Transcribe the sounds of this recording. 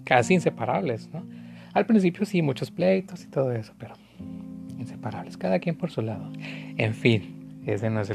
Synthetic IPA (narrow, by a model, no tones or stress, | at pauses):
kasiːnse̞paɾaβle̞sno | alpɾins̬ipjosimũt͡ʃo̞splejt̪o̞si̥t̪o̞ð̞oe̞so̥peɾo | inse̞̥paɾaβle̞skaðakje̞mpo̞ɾsulaðo̞ḛɱfinezðenoes̬e